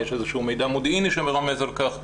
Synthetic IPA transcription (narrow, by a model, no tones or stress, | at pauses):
jeʃezeʃumejd̪amod̪iniʃemeʁamezalkaχ